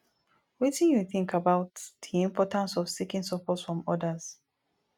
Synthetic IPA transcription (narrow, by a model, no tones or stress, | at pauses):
witĩnjuθĩŋkʰabaʊtð̥iĩmpʰɔtãnsɔv̥sikĩŋsɔpʰɔtsfɹɔ̃mɔdəz̥